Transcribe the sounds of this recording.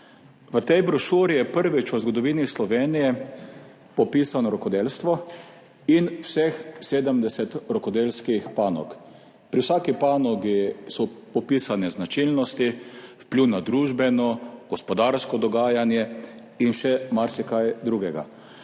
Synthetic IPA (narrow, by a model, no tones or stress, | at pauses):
ʋət̪ɛjbɾɔʃuɾijɛpəɾʋit͡ʃʋəzɡɔd̪ɔʋiːnislɔʋeːnijɛ | pɔpiːsanɔɾɔkɔd̪elst̪ʋɔ | inwsɛxseːd̪əmd̪ɛsɛt̪ɾɔkɔd̪elskixpaːnɔ̰k | pɾiwsaːkipaːnɔɡisɔpɔpiːsanɛznat͡ʃilnɔst̪ifpliwnad̪ɾuːʒbɛnɔɡ̥ɔspɔd̪aɾskɔd̪ɔɡaːjanjɛ | inʃɛmaɾsɛkajd̪ɾuɡɛɡa̰